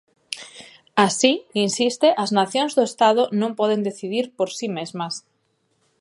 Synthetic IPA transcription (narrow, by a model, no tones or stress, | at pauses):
asiinsist̪eʔaznaθjõnzðoest̪aðonõmpɔð̞end̪eθiðiɾpoɾsimezmas